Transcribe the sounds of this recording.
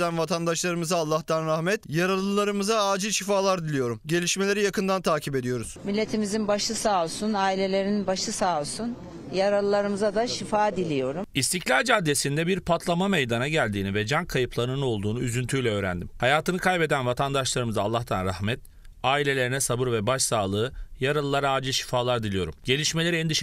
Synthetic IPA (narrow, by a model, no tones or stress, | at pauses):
ænvat̪ʰand̪aʃlˠaɾɯmɯzaːlˠːaxt̪ʰanɾahmɛt̪jaɾalˠɯlˠaɾɯmɯzaaːd͡ʒilʲʃifaːlˠaɾd̪ilʲijo̞ɾumɟe̞lʲiʃme̞lʲe̞ɾijakɯnd̪ant̪ʰaːcʰibe̞d̪ijo̞ɾuz̥milʲːet̪ʰimizinbaʃɯsaːosunaːilʲe̞lʲe̞ɾininbaʃɯsaːosun | jaɾalˠɯlˠaɾɯmɯzad̪aʃifaːd̪ilʲijo̞ɾumist̪ʰiclʲaɾd͡ʒad̪ːesind̪ɛbiɾpʰat̪ʰlˠamamejd̪anaɟælʲd̪iːnivɛd͡ʒankʰajɯpʰlˠanɯnɯo̞lˠd̪uːnuyzynt̪ʰyjlʲɛø̞ːɾæ̰nd̪imhajaːt̪ɯnɯkʰajpe̞d̪ænvat̪ʰand̪aʃlˠaɾɯmɯzaːlˠːaxt̪ʰanɾahmɛt̪̚ | aːilʲe̞lʲe̞ɾinɛsabɯɾvɛbaʃsaːlˠɯːjaɾalˠɯlˠaɾaːd͡ʒɯʃi̥faːlˠaɾd̪ilʲijo̞ɾumɟe̞lʲiʃme̞lʲeɾiɛnd̪iʃ